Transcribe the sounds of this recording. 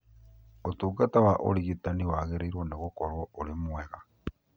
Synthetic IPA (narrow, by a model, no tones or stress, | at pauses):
otuːɡatawaʔo̰liɣitaniwaɣeɾeiɾwoneɣokoɾwoolimweɣa